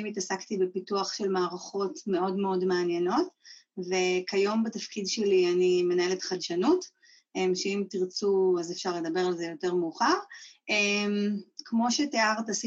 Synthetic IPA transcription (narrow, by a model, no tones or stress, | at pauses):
imitasaktibepituaχʃe̞lmaːʁaχo̞tme̞o̞dmeo̞dmeanje̞no̞tve̞kajo̞mbatafkidʃelianime̞nae̞letχadʃanut | emʃeimtiʁt͡suazefʃaʁle̞d̪ɐbe̞ʁalzejo̞te̞ʁmuːχaʁʔemkmo̞ʃeteaʁtasi